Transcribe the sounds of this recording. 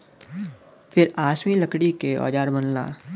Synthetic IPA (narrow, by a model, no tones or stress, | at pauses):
pʰɪɾaːʃmiləkɽikeɔ̰ːd͡ʒaːɾbənla̰ː